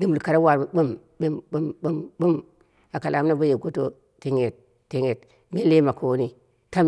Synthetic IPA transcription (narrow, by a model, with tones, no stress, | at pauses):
di˦mbu˨lka˨ɾa˦wa˨ɾbbu˦m | bi˦mbu˦mbu˦mbu˦m | a˨ka˨la˨m˦na˦ba˦je˨ɡo˦to˦ | ti˦ŋe˨t̚ː | i˦ŋe˨t | me˦le˦ma˨kʰo˦ni˦ | ta˦m